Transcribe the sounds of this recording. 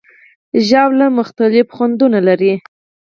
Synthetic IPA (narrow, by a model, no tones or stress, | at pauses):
ʒɑwlamʊxt̪alɪfxwand̪unalaɾi